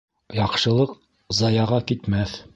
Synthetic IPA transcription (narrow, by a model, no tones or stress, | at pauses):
jɑqʃɤ̆lˠɤq | zɑjɑʁɑkit̪mæθ